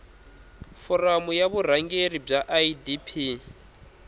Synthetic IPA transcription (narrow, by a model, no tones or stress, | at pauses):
fɔramujaβur̤aŋɡerib͡ʐaʔaidipʰi